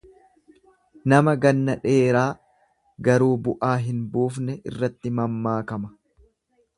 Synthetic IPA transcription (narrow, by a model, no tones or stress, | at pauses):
nɐmɐɡɐnːɐᶑe̞ːɾaː | ɡɐɾuːbʊʔaːɦɪnbuːfnɛʔɪ̰rːɐt̪ːɪmɐmːaːkɐmɐ